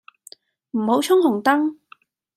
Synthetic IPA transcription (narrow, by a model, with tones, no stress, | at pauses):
m̩˨˩ho˨˥wt͡ʃʰʊ˥ŋhʊ˨˩ŋt̪ɐ˥ŋ